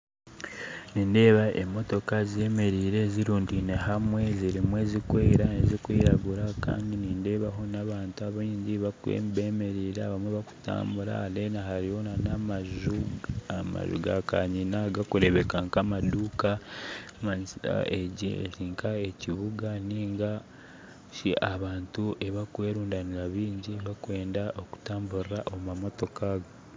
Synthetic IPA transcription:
niːnde̞ːβaʔe̞mo̞to̞kaze̞me̞ɾiːɾe̞ziɾuːndine̞ɦamwe̞ziɾimwe̞ːzikweːɾanezikwiːɾaɡuɾaka̰ːndiniːnde̞ːβaɦo̞naβaːntuaβiːɲɟiβakwḛmbeme̞ɾiːɾeaβamweβaku̥ta̰ːmbuɾa̰alenaɦaɾiho̞nanamʒuama̰ʒṵɡaka̰ɲinaɡakuɾe̞βe̞kaŋkamaduːkamaɲisa̰eɟḭɾiŋkʰaeciβuɡaniːŋɡa | ʃiʔaβaːntuʔe̞βakwe̞ːɾuːndaniɾaβiːɲɟiβakwe̞ːndaʔo̞ku̥taːmbuɾɾaʔomamo̞to̞kaɡo

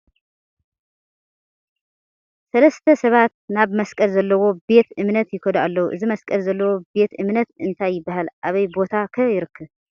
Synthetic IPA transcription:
sɐlɐst̪ʰɐsɐβat̪̚naβmɐskʼɐlzɐlːɐwo̞be̞t̪ɨmnɐt̪jɪkʰod̪aalːɐwuʔɨzimɐskʼɐlzɐlːɐwo̞be̞t̪ɨmnɐt̪ɨnt̪ʰajːɪbːahalʔaβɐjbo̞t̪ʰakʰɐjɪɾɨkʰːɨβ

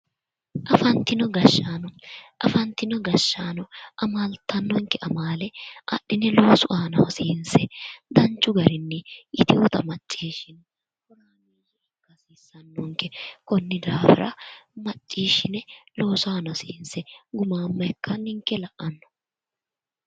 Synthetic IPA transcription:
ʔɐfɐnt̪ːɪnɔɡɐʃːaːnɔʔɐfɐnt̪ːɪnɔɡɐʃːaːnɔʔɐmalt̪ːɐnːɔŋkːɛʔɐmaːlɛʔɐ̰ɗːɪnɛlo̞ːsʊʔaːnɐwɔsiːnsɛd̪ɐnt͡ʃːʊɡɐɾɪnːɛʔɪt̪ɪwɔt̪ɐmɐt͡ʃʼːiːʃɪn | kɔɾaːmiːʃɪɪkːɐsiːsːɐnːɔŋkːɛkɔnːɪd̪aːfɪɾɐ̰mɐt͡ʃʼːiːʃɪnɛlo̞ːsʊaːnɐsiːnsɛɡʊmaːmːɐjɛkːɐnɪŋkːɛlɐʔʔɐnːɔ̥

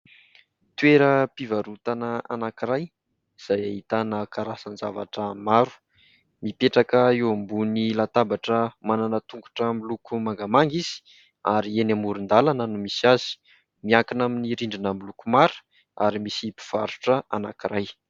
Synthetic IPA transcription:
t̪weɾəpivaɾut̪anaa̰nakiɾaj | iz̥ajaɦit̪anakaɾasand͡zava̰ʈ͡ʂəmaɾu̥ | mipeʈ͡ʂakəewambunilat̪abaʈ͡ʂəmananət̪uŋku̥ʈ͡ʂəmilukumaŋɡamaŋɡiz̥i̥ | aɾienamuɾund̪alanənumisiazi̥ | miakinaminiɾiɳɖ͡ʐinəmilukumaɾu̥ | a̰ɾimisipi̥v̥aɾu̥ʈ͡ʂəa̰na̰kiɾaj

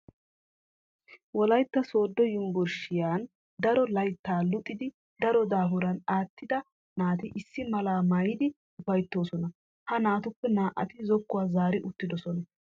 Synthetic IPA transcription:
wɔlɐjt̪ːɐso̞ːd̪ːɔjʊmbʊɾʃɪjaːn | d̪ɐɾɔlɐjt̪ːaːlʊt̪ʼːɪd̪ɪ | d̪ɐɾɔd̪aːbʊɾɐnaːt̪ːɪd̪ɐ | naːt̪ɪʔɪsːɪmɐlaːmɐjɪd̪ɪ | ʊfɐjt̪ːo̞ːsɔnɐ | hɐnaːt̪ʊpːɛnaːʔɐ̰t̪ɪzɔkːʊwaːzaːɾɪʔʊt̪ːɪd̪ɔsɔnɐ

